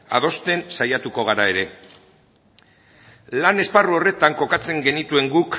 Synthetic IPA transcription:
a̰ðo̞st̪e̞nsajat̪uko̞ɣ̞aɾae̞ɾe̞ | lane̞sparuo̞re̞t̪aŋko̞kat͡se̞ŋɡe̞nit̪ue̞ŋɡuk

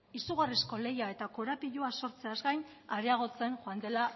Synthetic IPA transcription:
isuɣ̞arisko̞le̞jae̞t̪ako̞ɾapiʎuaso̞ɾt͡se̞azɡajn | aɾeaɣ̞o̞t͡se̞nxoand̪e̞la

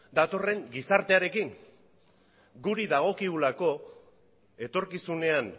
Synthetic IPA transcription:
d̪at̪o̞re̞ŋɡisaɾt̪e̞aɾe̞kiŋ | ɡuɾiðaɣ̞o̞kiɣulako̞ | e̞t̪o̞ɾkisune̞an

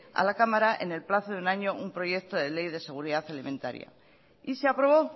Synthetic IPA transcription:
a̰lakamaɾaʔe̞̰ne̞lplaθoðunaɲo̞ʔumpɾo̞je̞k̚t̪o̞ðe̞le̞jðe̞se̞ɣ̞uɾiðaθalimẽ̞nt̪a̰ɾja̰ | iseapɾo̞β̞o̞

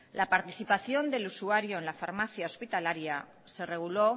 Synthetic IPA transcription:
lapaɾt̪iθipaθjo̞nd̪e̞lusuaɾjo̞enlafaɾmaθjao̞spit̪alaɾja | se̞re̞ɣ̞ulo̞

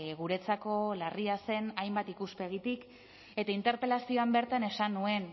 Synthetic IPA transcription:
ɣuɾe̞t͡sako̞lariase̞najmbat̪ikuspe̞ɣ̞it̪ik | e̞t̪aint̪e̞ɾpe̞lasio̞ambe̞ɾt̪ane̞sanːue̞n

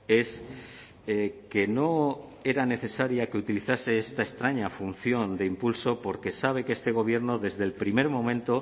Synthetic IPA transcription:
e̞s | eke̞no̞e̞ɾane̞θe̞saɾjakeut̪iliθase̞est̪aest̪ɾaɲafun̟θjo̞nd̪e̞impulso̞po̞ɾke̞saβ̞e̞ke̞st̪e̞ɣ̞o̞β̞je̞ɾno̞ðe̞zðe̞lpɾime̞ɾmõ̞mẽnt̪o̞

